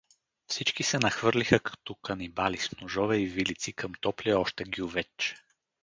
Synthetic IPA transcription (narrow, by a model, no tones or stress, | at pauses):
fsit͡ʃkisɛnɐxvɤɾlixəkɐ̥t̪ɔkɐnibalisnʊʒɔvɛivilit̪sikəmt̪ɔpliɔʃt̪ɛɡjuvɛt͡ʃ